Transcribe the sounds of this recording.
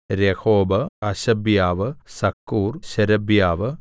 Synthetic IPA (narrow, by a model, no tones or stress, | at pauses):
ɾehoːbɐɐɕɐbjaːʋɨsɐkːuːrɕɐɾɐbjaːʋɨ